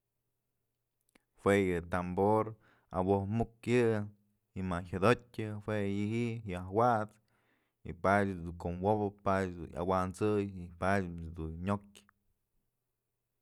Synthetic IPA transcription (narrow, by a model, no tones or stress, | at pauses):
hwejɨt̪amboɾ | a̰wohmukjɨ | imaçad̪otʲɨhwʷejɨhiʔjahwaʔt͡s | ḭpadʲd̪ukomwobpadʲd̪ṵna̰want͡sɨjipadʲd̪unɲokʲ